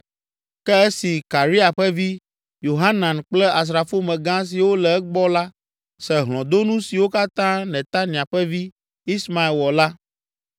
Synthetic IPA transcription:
kɛ˦e˦si˨ka˨ɾi˦a˨ɸɛ˦vi˦ | jo˨ɦa˦nã˨nk͡plɛ˦a˨s̬ɾa˨fo˦mɛ̃˨ɡã˦s̬i˨wo˦lɛ˨ɛ˦ɡ͡bɔ˦la˦ | sɛ˨ɦlɔ̃˨d̪o˦nũ˦si˨wo˦ka˦t̪ã˦nɛ̃˨t̪a˦nĩ˨a˨ɸɛ˦vi˦ | i˦sma˨i˨lwɔ˨la˦

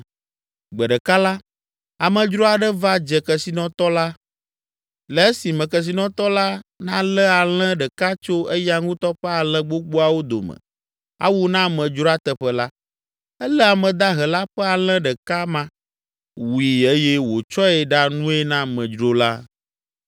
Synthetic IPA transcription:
ɡ͡bɛ˨ɖɛ˨ka˦la˦ | a˨mɛ̃˨d͡ʒɾo˦a˨ɖɛ˦va˦d͡ʒɛ˨kɛ˨si˨nɔ̃˦t̪ɔ˦la˦ | lɛ˨e˦si˨mɛ̃˨kɛ˨s̬i˨nɔ̃˨t̪ɔ˦la˦nã˦lɛ˦a˨l̃ɛ̃˦ɖɛ˨ka˦t͡ʃo˦e˦ja˦ŋũ˦t̪ɔ˦ɸɛ˦a˨lɛ̃˦ɡ͡bo˦ɡ͡bo˦a˨wo˦d̪o̰˨mɛ̰̃˨ | a̰˦wo˦nã˦mɛ̃˨d͡ʒɾo˦a˦t̪ɛ˨ɸɛ˦la˦ | ɛ˦lɛ˦a˨mɛ̃˨d̪a˦ɦɛ˨la˦ɸɛ˦a˨l̃ɛ̃˦ɖɛ˨ka˦mã˦ | wi˨e˦jɛ˦wo˨t͡ʃɔ˦ɛ˨ɖa˦nũ˦ɛ˦nã˦mɛ̃˨d͡ʒɾo˦la˦

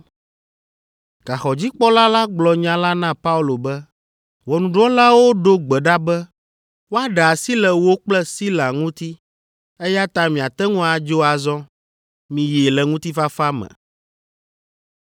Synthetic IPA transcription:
ɡ̥a˨xɔ˨d͡ʑi˦k͡pɔ˦la˦la˦ɡ͡blɔ˨ɲã˦la˦nã˦pa˦u˦lo˨bɛ˦ | wɔ˨nũ˨ɖɔ̃˦la˦wo˦ɖo˦ɡ͡bɛ˨ɖa˦bɛ˦ | wo˦a˦ɖɛ˨a˨si˦lɛ˨wo˦k͡plɛ˦si˦la˨ŋũ˦t̪i˦ | ɛ˦ja˦t̪ã˦mĩ˨a˨t̪ɛ˦ŋũ˦a˨d͡ʒo˦a˨zɔ̃˦ | mĩ˨je˨lɛ˨ŋũ˦t̪i˦fa˦fa˦mɛ̰̃˨

